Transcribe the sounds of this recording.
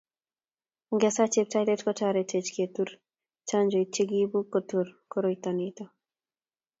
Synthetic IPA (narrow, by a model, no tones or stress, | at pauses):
ɡɛsat͡ʃep̚tajletkɔtʰaɾetʰet͡ʃket̪uɾ | t͡ʃand͡ʒojt͡ʃːeɡibukːot̪ʰuɾkoɾojt̪ɔnit̪ɔ